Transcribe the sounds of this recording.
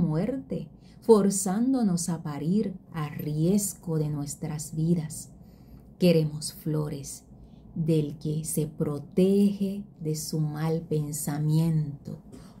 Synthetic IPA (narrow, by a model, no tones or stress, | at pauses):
mwe̞ɾt̪e̞ | fo̞ɾsand̪o̞no̞sapaɾiɾarje̞sɡo̞ðe̞nwe̞st̪ɾazbiðas | ke̞ɾe̞mo̞sflo̞ɾe̞s | ðe̞lke̞se̞pɾo̞t̪exeðe̞sumalpe̞nsamjẽnt̪o̰